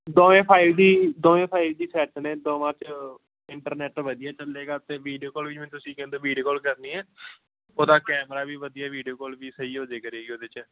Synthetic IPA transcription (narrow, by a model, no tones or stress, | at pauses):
d̪õːʋẽːpʰaːɪʋd̪iːd̪oːẽːpʰaːɪʋd̪iːsɛːʈnẽːd̪õːmãːt͡ʃ | ɪɳʈəɾnɛːʈʋəd̪ɪaːt͡ʃəleːɡaːt̪eːʋiːɖijoːkoːlʋɪt͡ʃmɛ̃nːt̪ʊsĩːkɛ̃ːnd̪oːʋiːɖijoːkoːlkəɾniːɛː | oːd̪aːkɛːmɾaːbiːʋəd̪ijaːʋiːɖijoːkoːlʋiːsəiːod͡ʒeːkəɾeːɡioːd̪et͡ʃː